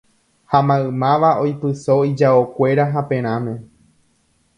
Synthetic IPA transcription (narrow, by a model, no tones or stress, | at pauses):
hamãɨ̃mãʋaojpɨso̞id͡ʒaokʷe̞ɾaɦapẽ̞ɾ̃ãmẽ̞